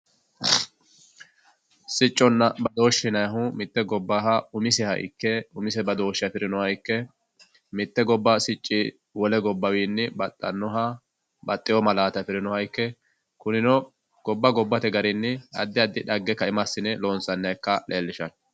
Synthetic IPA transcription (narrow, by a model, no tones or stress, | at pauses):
sɪt͡ʃʼːɔnːɐbɐd̪o̞ːʃɪnɐjɐɦʊmɪt̪ːɛɡɔbːaɦɐʊmɪsɛhɐ̰j̰kːɛʊmɪsɛbɐd̪o̞ːʃːɪjɐpɪɾɪnɔhɐjkːɛ | mɪt̪ːɛɡɔbːɐsɪt͡ʃʼːɪ | wɔlɛɡɔbːɐwiːnːɪbɐt̪ʼːɐ̰nːɔɦɐ | bɐt̪ʼːɪjɔmɐlaːt̪ɐfɪɾɪnɔhɐjkːɛ | kʊnɪnɔ | ɡ̥ɔbːɐɡɔbːɐt̪ɛɡɐɾɪnːɪɐ̰d̪ːɪɐd̪ːɪᶑɐɡːɛkːɐɪmɐsːɪnɛloːnsɐnːɐkːɐleːlːɪʃɐn